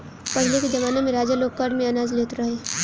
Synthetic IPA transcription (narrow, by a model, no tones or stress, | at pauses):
pɐɽ̤leked͡ʒɐʋaːnemẽɾaːd͡ʒəloːk̚kaɾɖmẽɐnaːzleːt̪ɾɐɦeː